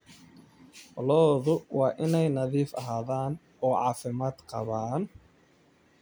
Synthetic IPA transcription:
lɔːðʊwɑːʔɪnɛjnɐðiːfɐɦaːðaːn | ɔːʕɑ̰ːfɪmaːd̪qɑ̰βaːn

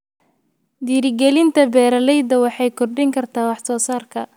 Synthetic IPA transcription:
d̪iːɾɪɡɛlɪnt̪ʰɐbɛːɾɐlɛjd̪ɐwɑħɑjkʰɔrɖɪŋkʰɐrt̪ʰaːwɑħsɔːsaːrkʰɐ

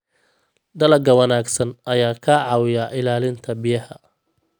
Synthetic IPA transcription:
d̪ɐlɐɡɐwɐnaːɡsɐnʔɐjaːkʰaʕɑwɪjaʔɪlaːlɪnt̪ʰɐbɪjɐhɐ

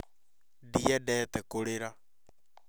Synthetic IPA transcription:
diɛdɛːtɛkoɾeɾa

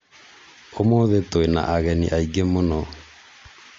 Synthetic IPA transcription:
omoðetoena̰ʔaɣɛnḭʔaiɡemonɔ

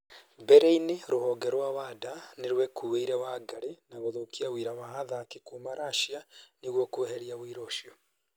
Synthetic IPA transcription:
bɛɾeineɾohɔːɡɛɾwawadaneɾwɛkʰuweiɾawaɡaɾenaɣoðokiawiɾawahaðakekumaɾaʃianiɣwokoeheɾiawiɾoʃio

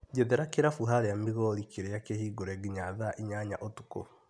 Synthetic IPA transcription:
ɟeðeɾakeɾafuɦaɾɛjamiɣɔɾikeɾejakehiːɡoɾɛɡiɲaðaʔiɲaɲa̰ʔotu̥ko̰

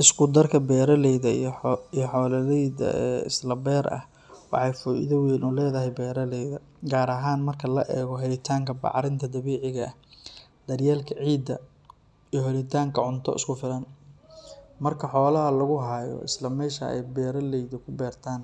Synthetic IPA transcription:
ʔɪskʰʊd̪ɐrkʰɐbɛːɾɐlɛjðɐijɔħɔːlɐlɛjðɐ̰ɛːɪ̰slɐbɛːɾʔɐ̰h | wɑ̰ħɑjfɔːʔɪ̰ðɐwɛːnʔuːlɛːðɐɦɛjbɛːɾɐlɛjðɐ | ɡaːɾɐɦaːnmɐrkʰɐlɐʔɛːɣɔɦɛlɪt̪ʰaːŋkʰɐbɑ̰ʕɾɪnt̪ʰɐd̪ɐβɛːʕɪɣɐːh | d̪̥ɐrjaːlkʰɐʕiːd̪ɐ | ijɔɦɛlɪt̪ʰaːŋkʰɐʕʊnt̪ʰɔ̰ʔɪ̰skʰʊfɪlɐn | mɐrkʰɐħɔːlɐɦɐlɐɣʊɦaːjɔ̰ʔɪ̰slɐmɛːʃɐ̰ɛ̰jbɛːɾɐlɛjðɐkʰʊbɛːrt̪ʰaːn

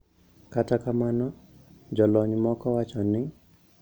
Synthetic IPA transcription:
katakamanɔ | d͡ʒɔlɔɲmɔkɔwat͡ʃɔnɪ

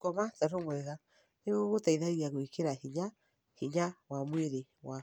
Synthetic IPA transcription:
kɔmataɾomwɛɣa | neɣoɣotaiðaiɣiaɣoikeɾahiɲa | hiɲawamweɾewa

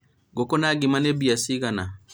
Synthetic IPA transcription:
ɡokonaɡimanebiasiɡana

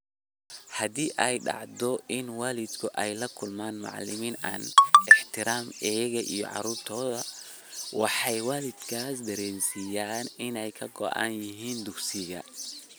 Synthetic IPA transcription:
hɐd̪iːʔɛjɖɑ̰ʕd̪ɔʔɪnwaːlɪd̪kʰʊʔɛjlɐkʰʊlmaːnmɑ̰ʕlɪmiːna̰ːnɛħt̪ʰɪɾaːmɛjɣɐʔḭjɔ̰ʕɑ̰ɾuːrt̪ʰɔːðɐ | wɑħɑjwaːlɪd̪kʰaːsd̪ɐɾɛːnsijaːnɪnɛjkʰɐɡɔ̰ʕɑ̰njɪɦiːnd̪ʊksɪɣɐ̰

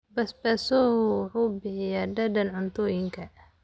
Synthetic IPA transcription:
bɐsbɐsɔhʊħuːbɪħɪjaɖɐdɐnʕʊnt̪ʰɔːjɪŋkʰɐ

